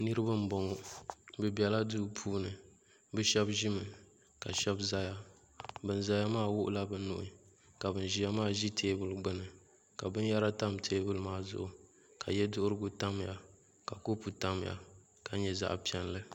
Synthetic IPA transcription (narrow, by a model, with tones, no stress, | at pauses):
nɨ˦ɾɨ˦ba˦m̩˦bɔ˨ŋɔ˨˦bɨ˦bi˨ɛ˨la˦duː˦pʰuː˦nɨ˨ | bɨ˦ʃɛ˦bʒi˦mɨ˨ | ka˨ʃɛ˦bza˦ja˦ | bɨ˨n˨za˦ja˦maː˦˨wʊ˦ʔʊ˦la˦bɨ˨˦nʊ̰˨ʔi˨ | ka˨bɨ˨n˨ʒi˦ja˦maː˦ʒi˦tʰeː˦bɨ˦lɡ͡bɨ˦nɨ˨ | ka˨bɨ˦n˦ja˦ɾa˦ta˦mtʰeː˦bɨ˦lmaː˦zʊ̰˦˨ʔʊ˨ | ka˨jɛ˦dʊ˦ʔʊ˦ɾɨ˦ɡu˦ta˦m˨ja̰˨ | ka˨ko˦pu˨ta˦m˨ja̰˨ | ka˨ɲɛ˨za̰˦ʔpi˨˦ɛ˦n˦lɨ˦